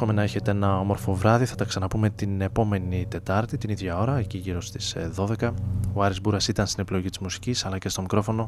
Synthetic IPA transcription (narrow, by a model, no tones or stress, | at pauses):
o̞me̞nɐeçe̞t̪eenɐo̞mo̞ɾfo̞vɾɐðiθɐt̪ɐksɐnɐpume̞t̪ine̞po̞me̞nit̪e̞t̪ɐɾt̪it̪iniðʝɐo̞ɾɐeciʝiɾo̞st̪i̥sðo̞ðe̞kɐoɐɾizbuɾɐsit̪ɐnst̪ine̞pilo̞ʝit̪izmusi̥cisɐlɐce̞st̪o̞mikɾo̞fono̞